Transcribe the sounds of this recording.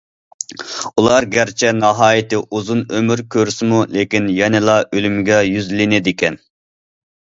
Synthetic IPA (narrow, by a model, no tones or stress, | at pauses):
ulˠɑɾɡʲæɾt͡ʃʰɛnɑɦɑːjɪt̪ɪʔuzunømyɾkʲʰøɾsɪmulekʲinjɛnɪlˠɑʔølymɡʲɛjyzlɪnɪd̪ɪkʲɛn